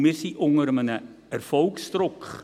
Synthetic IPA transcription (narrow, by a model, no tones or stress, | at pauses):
mɪsiʔɔŋərmənə | ərfowkst̪rok